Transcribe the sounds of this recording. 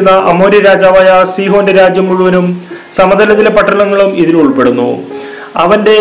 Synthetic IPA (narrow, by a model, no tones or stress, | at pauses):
nːɐʔɐmo̞ːɾjɐɾaːd͡ʑaːʋaːjɐsiːɦo̞ːnde̞ɾaːd͡ʑjɐmːuɻuʋɐnum | sɐmɐd̪ɐlɐt̪ːilepɐʈːɐlɐŋːɐɭumiðiluɭpe̞ɽunːṵ | ɐʋɐnde̞